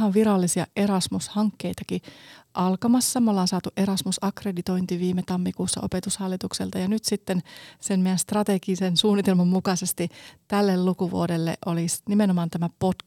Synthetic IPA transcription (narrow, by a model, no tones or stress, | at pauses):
hɑʋʋiɾɑlːisiɑ̰ʔeɾɑsmushɑŋkːe̞jt̪ɑkiʔɑlkɑmɑsːɑmolːɑːnsɑːt̪uʔe̞ɾɑsmusɑkredit̪o̞jnt̪iʋiːmet̪ɑmːikuːsːɑ̰ʔo̞̰pet̪ushɑlːit̪uksḛlt̪ɑjɑnyt̪sit̪ːensemmejænst̪rɑt̪e̞ɡisensuːnːˑit̪elmɑmːukɑsest̪it̪ælːelːukuʋṵodelːḛʔolisnimenomɑːnt̪æmæpot